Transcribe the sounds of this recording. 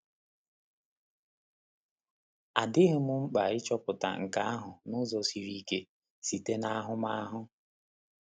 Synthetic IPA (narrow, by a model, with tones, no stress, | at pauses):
a˨dɪ˦ɦʊ˦mu˦ŋ͡m̩˦k͡pa˨ɪ˦t͡ʃɔ˦pʊ˨ta̰˨ŋ̩˨ka̰˨˦a˦ɦʊ˨nʊ˦zɔ˦si˨ɾi˦ke˦ | si˨te˦na˦a˦ɦʊ˦ma˦a˦ɦʊ˦